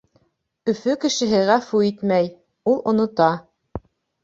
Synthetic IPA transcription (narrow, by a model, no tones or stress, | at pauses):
ɵ̆fɵkɘ̆ʃɘ̆ɦɘʁæfuit̪mæj | ulˠŏnŏt̪ɑ